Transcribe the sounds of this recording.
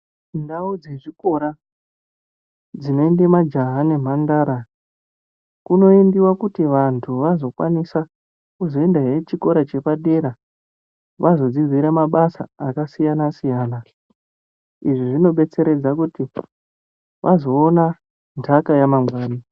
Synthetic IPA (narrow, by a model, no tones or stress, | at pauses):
ndaud͡ze̞ʐiko̞ɾa | d͡zino̞endemad͡ʒaɦane̞m̤andaːɾa | kuno̞endiwakutiʋantʰuʋazo̞kwa̰nisa | kuzo̞e̞ndaɦet͡ʃiko̞ɾat͡ʃe̞paɗe̞ɾa | ʋazo̞d͡zizʱwiɾamaɓasa̰ːkasijanasijaːna | iʐiʐino̞ɓe̞t͡se̞ɾe̞d͡zakuti | ʋʔazo̞ːna | ntʰakajamamwaːni